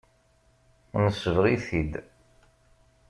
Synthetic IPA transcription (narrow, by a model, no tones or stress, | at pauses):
nəsːəvʁiθid̪